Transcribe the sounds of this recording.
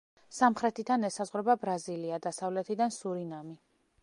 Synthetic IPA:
samχɾɛt̪ʰit̪ʰanɛsazʁɾɛbabɾaziliad̪asavlɛt̪ʰid̪ansuɾinami

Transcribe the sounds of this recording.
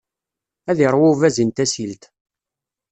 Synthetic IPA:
æðiɾˤwʊvæzint̪æsilt̪

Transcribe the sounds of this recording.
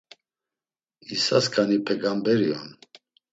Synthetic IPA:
isaskʰʼanipʰɛɡambɛɾiɔ̰n

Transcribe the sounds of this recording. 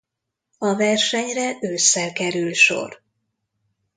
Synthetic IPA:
ɒvɛrʃɛɲrɛʔøːsːɛlkɛɾylʃo̞̰r

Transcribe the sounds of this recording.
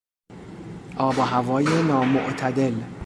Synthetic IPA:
ʔɒːbɒɦævɒːjenɒːmoʔt̪ʰæd̪e̞l

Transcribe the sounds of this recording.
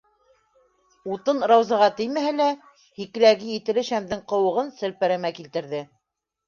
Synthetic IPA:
ut̪ɤnɾɑwzɑʁɑt̪ɘ̆jmæhælæ | hik̆læɡɘjit̪ɘ̆lɘʃæmd̪ɘŋqɤ̆wɤ̆ʁɤnsɘ̆lpæɾæmækilt̪ɘ̆ɾðɘ

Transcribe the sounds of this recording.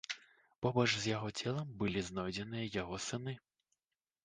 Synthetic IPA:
pɔbɔʒzjɐɦɔt͡sʲɛlˠɐmbɪlʲiznɔjd̪ʲɛnɪjjɐɦɔsɪnɪ

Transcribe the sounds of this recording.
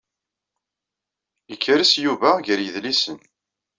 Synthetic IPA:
jəkʰːəɾisjuvæʝəɾjəðlisən

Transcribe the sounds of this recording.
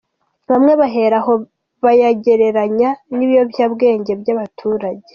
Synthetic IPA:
βamŋe̞βaɦe̞ɾaɦo̞ | βajaɟe̞ɾe̞ɾaɲaniβijo̞bjaːbɡe̞ːɲɟe̞bjaβatʰuːɾaɟe̞

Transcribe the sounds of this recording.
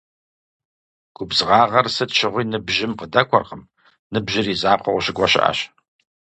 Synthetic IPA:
ɡ̥ʷʊbzʁɑːʁɐrsɨtʃɪʁʷiːnɨbʒɪmqədɐkʷʰɐ̰rqəm | nɨbʒɪriːzaːqʷʰɔʁʷʊɕɪɡʷɐɕɪ̰ʔa̰ɕ

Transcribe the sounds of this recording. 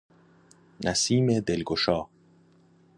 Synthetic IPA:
næsiːmed̪elɡoʃɒː

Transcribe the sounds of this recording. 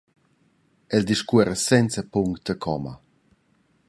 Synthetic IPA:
ɛld̪iʃkuɛɾəsɛnt͡səpuŋkt̪əkʰɔma̰

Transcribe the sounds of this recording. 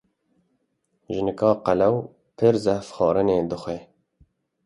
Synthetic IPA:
ʒɨnɨkɑːqælɛw | pʰɨɾzɛfxɑːɾɨneːd̪ɨxʷeː

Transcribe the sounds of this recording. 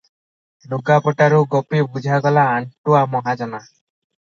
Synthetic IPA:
lukapɔʈaɾuɡɔpibud͡ʒʱaɡɔlaːɳʈuamɔɦad͡ʒɔna

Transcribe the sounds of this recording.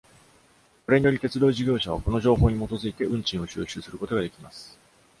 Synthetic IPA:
ko̞ɾe̞ɲ̟ijo̞ɾʲit̪e̞t͡sɨd̪o̞ːʑiɡʲo̞ːɕaβ̞ako̞no̞ʑo̞ːɦo̞ːɲ̟imo̞t̪o̞zɨit̪e̞ʔɯ̟̃ɲ̟t͡ɕĩɰ̃o̞ɕɨːɕɨːsɨɾɯ̟ko̞t̪o̞ɡad̪e̞kʲimasɨ̥

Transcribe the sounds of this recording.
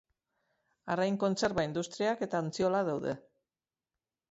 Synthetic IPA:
aɾajŋko̞nse̞ɾβaind̪ust̪ɾiake̞t̪aːnt͡sio̞lað̞awðḛ

